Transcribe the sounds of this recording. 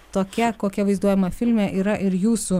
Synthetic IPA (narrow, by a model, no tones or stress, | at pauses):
t̪oːkʲɛkoːkʲɛʋɐɪzd̪uɔjɛmɐfʲɪlʲmʲɛʔiːɾɐʔɪɾjuːsu